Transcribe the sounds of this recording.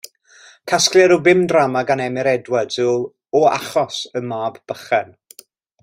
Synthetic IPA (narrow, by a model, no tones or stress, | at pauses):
kʰaskljɛɾubɪmdramaɡanɛmɪɾɛdwɛdʊlˠ | ɔa̰χɔsəmaːbb̥əχɛn